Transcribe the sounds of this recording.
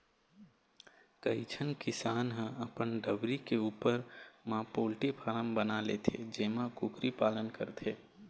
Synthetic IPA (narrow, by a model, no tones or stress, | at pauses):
kəit͡ʃʰənkɪsaːnɦə̃ɐpənɖəbɾikeuːpəɾmãːpoːlʈipʰaɾəmbənalet̪ʰḛd͡ʒeːmãkʊkɾipaːlənkəɾt̪ʰeː